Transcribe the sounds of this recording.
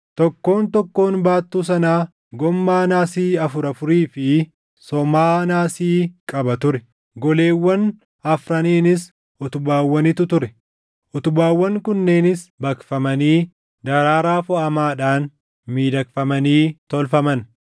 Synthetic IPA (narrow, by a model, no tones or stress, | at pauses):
t̪ɔkːo̞ːnt̪ɔkːo̞ːnbaːt̪ːuːs̬ɐnaː | ɡɔmːaːnaːsiːɐfʊɾɐfʊɾiːfɪ | sɔmaːnaːsiːkʼɐbɐt̪ʊɾɛ | ɡɔle̞ːwːɐn | ɐfɾɐneːnɪs | ʊt̪ʊbaːwːɐnɪt̪ʊt̪ʊɾɛ | ʔʊt̪ʊbaːwːɐŋkʊnːe̞ːnɪsbɐkfɐmɐniː | d̪ɐɾaːɾaːfɔɐmaːᶑaːn | miːd̪ɐkfɐmɐniːt̪ɔlfɐmɐn